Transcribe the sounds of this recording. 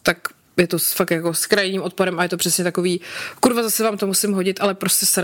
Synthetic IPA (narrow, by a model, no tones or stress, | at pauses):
t̪ak | jɛt̪osfaktjako̞skɾajniːmʔo̞t̪̚paɾɛmʔajɛt̪o̞pr̝̥ɛsɲɛt̪ako̞viːkuɾvazasɛvaːmt̪omusɪmɦoɟɪt̪ʔalɛpɾoscɛsɾ